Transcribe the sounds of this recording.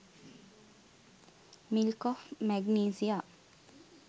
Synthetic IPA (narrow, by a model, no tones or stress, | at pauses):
mɪlkɔfmæɡneːsɪɑ